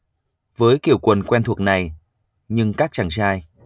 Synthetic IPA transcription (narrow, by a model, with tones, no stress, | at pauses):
vəː˨˦jki˧˩əwkwə˨˩nkwɛ˧nt̪ʰwək̚na˨˩j | ɲɨ˧ŋkaː˦˥k̚t͡ɕa˧˩ŋsaː˧j